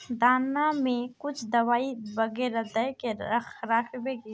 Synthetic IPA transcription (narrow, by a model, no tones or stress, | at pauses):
d̪aːnamẽkʊt͡ʃʰd̪ɐʋaːibɐɡeːɾad̪ɐjkeɐxɾaːkʰbeːɡi